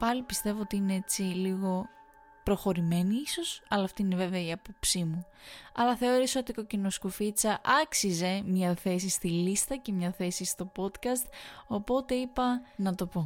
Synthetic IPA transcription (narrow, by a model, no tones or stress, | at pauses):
pɐlipist̪e̞vo̞ot̪iinee̞t͡siliɣo̞ | pɾo̞xo̞ɾime̞niiso̞sɐlɐːft̪iine̞ve̞veɐiɐpo̞psimu | ɐlɐθe̞o̞ɾesot̪iko̞cino̞skofit͡sɐʔɐksize̞mɲɐθe̞sist̪ilist̪ɐce̞mɲɐθe̞sist̪o̞po̞t̪kɐst̪̚o̞po̞t̪e̞ipɐnɐt̪o̞po̞